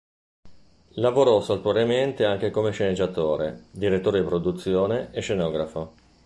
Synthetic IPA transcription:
lavoɾɔsalp̪oɾement̪eaŋk̟ekomeʃened͡ʒːat̪oːɾḛd̪iɾet̪ːoːɾed̪ipɾod̪ut̪sːjoːneːʃenɔːɡɾafo

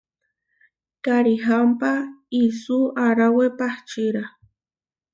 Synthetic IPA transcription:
kaɾiɦampaisuaɾawepaht͡ʃiɾa

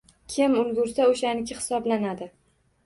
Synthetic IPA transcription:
kʲʰɪmʊlˠɡʊɾsaoʃanɪkʲʰɪhɪ̥sɒblanad̪ɪ

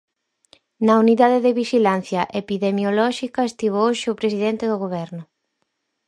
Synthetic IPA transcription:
nɐuniðaðeðɪβiʃilanθjɐʔepiðemjolɔʃikɐest̪iβooʃɪʊpɾesiðɛnt̪ɪðʊɣoβ̞ɛɾnʊ

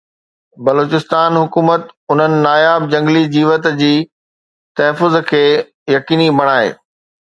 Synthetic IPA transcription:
bɐloːt͡ɕɪst̪aːnɦʊkuːmət̪ʊn̤ənɪ̆naːjaːb̚d͡ʑɐ̃ŋɡlid͡ʑiːʋət̪d͡ʑiː | t̪ɐɦfʊzkʰeː | jɐkiːnibɐɽ̃aːḛː

